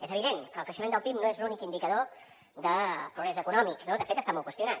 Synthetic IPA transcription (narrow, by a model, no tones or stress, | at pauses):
ezəβ̞iðenkəlˠkɾəʃəmend̪əlˠpimnoezlunikind̪ikəðo | ðəpɾuɣɾɛzəkunɔmiknoðəfet̪əst̪amɔlˠkwəst̪iunat̪